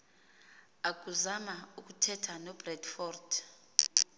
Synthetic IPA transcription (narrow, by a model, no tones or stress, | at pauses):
ak̬uzamauk̬ʼutʰɛtʰanɔb̥rɛdfɔːrd